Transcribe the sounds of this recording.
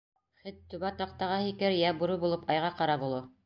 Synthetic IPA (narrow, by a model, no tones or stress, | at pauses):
χɘt̪ːʉβæt̪ɑq̚t̪ɑʁɑhikɘɾjæbuɾubulˠɤpɑjʁɑqɑɾɑbulˠɤ